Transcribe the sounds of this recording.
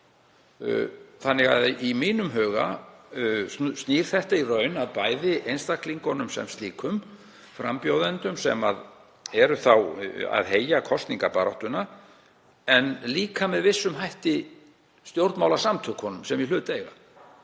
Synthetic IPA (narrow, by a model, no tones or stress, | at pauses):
θanːɪɣa̰ðimiːnʏmɦœːɣa̰ | st̪niːɾ̥θɛht̪airœɥnaðpajðɪʔejnst̪akliŋkɔnʏmsɛ̰mst̪liːkʰʏm | fɾa̰mpjowðɛnt̪ʏmsɛ̰mað | ɛɾʏθawa̰ðɦeːjakʰɔst̪niŋkapaɾɔht̪ʏna | ɛnliːkʰamɛðvɪsːʏmɦajht̪ɪ | st̪jowɾt̪maːwlasamt̪ʰʏkʰhɔnʏmsɛmjɛlʏːt̪ejɣa̰